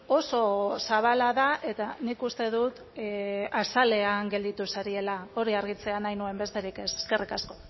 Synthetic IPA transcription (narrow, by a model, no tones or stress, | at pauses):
o̞so̞saβ̞alaðaʔe̞t̪anikust̪e̞ðut̪ | asale̞aŋɡe̞ld̪it̪usaɾie̞lao̞ɾiaɾɣ̞it͡se̞anajnue̞mbe̞st̪eɾike̞se̥ske̞rikasko̞̥